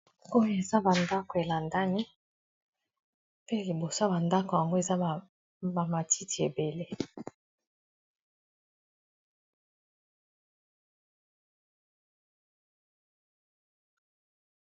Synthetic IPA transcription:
o˦jo˨e˨za˦ba˨nda˦ko˨e˨la˨nda˦ni˦ | pe˦li˨bo˨sa˦ba˨nda˦ko˨ja˨ŋɡo˦e˨za˦˨ | ba˨ma˨ti˦ti˨e˨be˨le˦

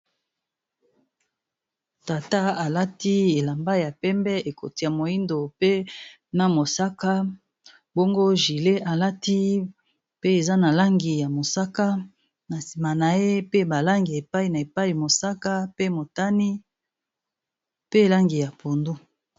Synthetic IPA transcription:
ta˨ta˦a˨la˦ti˦e˨la˨mba˦ja˨pɛ˦mbɛ˦e˨ko̰˨ti˨ja˨mo˨ji˦ndo˨pe˦ | na˨mo˨sa˦ka˦ | bo˦ŋɡo˦ʒi˨le˦ʔa˨la˦ti˦ | pe˦e˨za˦na˨la˦ŋɡi˨ja˨mo˨sa˦ka˦ | na˨si˨ma˨na˨e˦pe˦ba˨la˦ŋɡi˨e˨pa˦i˨na˨e˨pa˦i˨mo˨sa˦ka˦pe˦mo˨ta˦ni˦ | pe˦˨la˦ŋɡi˨ja˨pʰo˨ndu˦

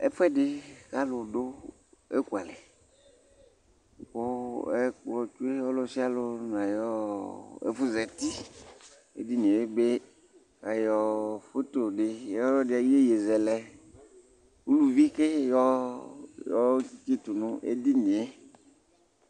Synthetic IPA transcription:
ḛ˦ɸɛ˦ɖɪ˨ka˦lo˨ɖo˦ | e˦ku˨a˨le˨ | ko˦e˦k͡plɔ˨t͡ʃu˦e˦ɔ˦lo˦si˦a˦lo˦ñ˨a˨jɔ˦ḛ˦fu˦zɛ˨t̪i˦ | ḛ˦d̪i˦nĩ˨e˨˦be˦ | ka˨jɔ˦fo˦t̪o˨ɖe˨jɔ˦jɔ˦ɖɪ˨a˨ji˦e˦je˨zɛ˨lɛ˨ | u˦lu˦˨vi˦ke˦jɔ˦ | jɔ˦i˦te˦t̪u˨nũ˦ʔḛ˦d̪i˦nĩ˨e˨˦

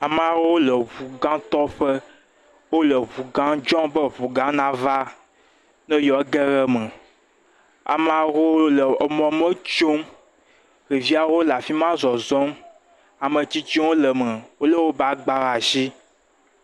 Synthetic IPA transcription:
a˨m˨a˨wo˦lə˨βu˨ɡã˦t̪ɔ˦ɸɛ˦ | wo˦lə˨βu˨ɡã˦d͡ʒɔ̃˦bə˦˨βu˨ɡã˦nã˦va˦ | nɛ̃˦jɔ˨˦ɡɛ˦ɣɛ˦mɛ˨ | a̰˨m˨a˨wo˦lə˨ɔ˨mɔ̃˨mə˦t͡ʃo˦m | ɣi˨vi˦a˨wo˦la˨fi˦mã˦zɔ˨zɔ̃˦m | a˨mə˨t͡ɕi˦t͡ʃi˦wo˦lə˨mɛ˨wo˦lə˦wo˦ba˦ɡ͡ba˦ɾa˨zi˦

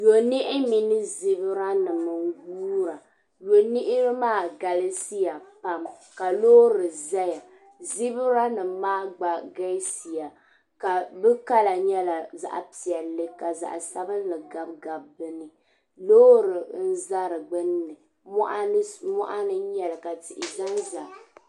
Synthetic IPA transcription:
jo˨ni˦ʔɪ˦mi˨nɨ˦zi˦bɨ˦ɾa˦nɨ˨mɨ˨ŋ˦ɡuː˦ɾa˨ | jo˨ni˦ʔɪ˦ɾɨ˦maː˦˨ɡa˨le˦si˦ja˨pa˦mka˨loː˦ɾɨ˨za˦ja˨ | zi˦bɨ˦ɾa˦nɨ˨maː˦ɡ͡ba˨ɡa˦si˨ja˨ | ka˨bɨ˦ka˦la˨ɲɛ˦la˨za̰˨ʔa̰˨pi˨ɛ˨lːɨ˦ka˨za̰˨ʔsa˦bɨ˦n˦lɨ˨ɡa˨bɡa˨bbɨ˦nɨ˨ | loː˦ɾɨ˨n̩˦za˦ɾɨ˨ɡ͡bɨ˦nː˦ɨ˨ | mɔ˦ʔa˦mɔ̰˦ʔa˦nɨ˦ɲɛ˦lɨ˨ka˨ti˨ʔɪ˨za˦nza˨

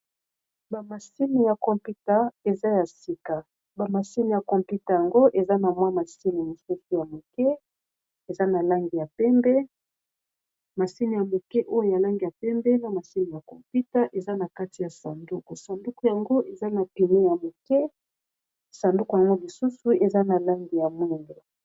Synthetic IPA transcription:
ba˨ma˨si˦ni˨ja˨kɔ˨mpi˦ta˨e˨za˦ja˨si˨ka˨ | ba˨ma˨si˦ni˨ja˨kɔ˨mpu˦ta˨ja˨ŋɡo˦ʔe˨za˦na˨mwa˦ma˨si˦ni˨mo˨su˦su˨ja˨mo˨kɛ˦ | e˨za˦na˨la˦ŋɡi˨ja˨pɛ˦mbɛ˦ | ma˨si˦ni˨ja˨mo˨kɛ˦ʔo˦jo˦ja˨la˦ŋɡi˨ja˨pɛ˦mbɛ˦na˨ma˨si˦ni˨ja˨kɔ̰˨mpi˦ta˦ʔe˨za˦na˨ka˦ti˨ja˨sa˨ndu˦ku˨sa˨ndu˦ku˨ja˨ŋɡo˦ʔe˨za˦na˨pi˨ne˦ja˨mo˨kɛ˦ | sa˨ndu˦ku˨ja˨ŋɡo˦li˨su˦su˦e˨za˦na˨la˦ŋɡi˨ja˨mu˦ndo˨

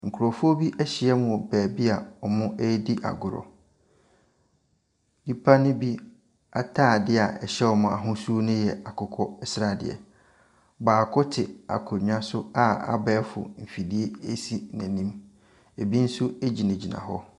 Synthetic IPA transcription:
ŋ̩˨kʰu˨ɾɔ˨fʊ˦o˦bi˦ʔɛ˦ɕɪ˨ɛ˦mʊ̃˨ɔ˨bæː˨bi˦a˨ɔ˨mʊ̃˦ʔɛ˦di˦ʔa̰˨ɡʊ˨ɾɔ̰˨ | i˦pʰa˦nʊ̃˦bi˦ | a˨tʰaː˦˨dɪ˦a˨ʔɛ˨ɕɛ˦ɔ˨mʊ̃˨a˨ɦʊ̃˦su˦o˦nʊ̃˦jɛ˨a˨kʰʊ˨kʰɔ˦ɛ˦sɾa˨dɪ̰˨ɛ̰˨ | baː˨kʰʊ˦tʰɪ˨a̰˨kʰʊ˨ɲᶣ˦ã˦sʊ˦a˨a̰˦bɛː˨˦fʊ̰˨m̩˨fi˨di˦e˦e˦si˨næ̃˨nĩ˦m | e˨bi˦n̩˦sʊ˦e˦d͡ʑi˨nɛ̃˨d͡ʑi˨nã̰˨ɦɔ̰˦

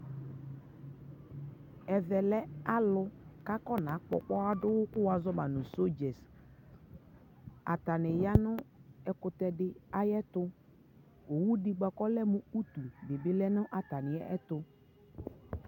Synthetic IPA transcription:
ɛ˨vɛ˨lɛ˦a˦lʊ˦ka˦kɔ˦nã˨˦k͡pɔ̰˨k͡pɔ˦a˦dʊ˦wʊ˦kʊ˦wa˨zɔ˦ba˨nʊ̃˨so˦d͡ʒɛ˨s | a̰˨ta˨nɪ˨ja˦nʊ˦ɛ˨kʊ˨t̪ɛ˦dɪ˦a˦jɛ˦t̪ʊ˦ | o˨wu˦dɪ˦ɡ͡ba˨kɔ˦lɛ˦mʊ̃˦u˦t̪u˨be˨bɪ˦lɛ˦nʊ̃˦ʔa˨t̪a˨nɪ˨ɛ˦ɛ˦t̪ʊ˦

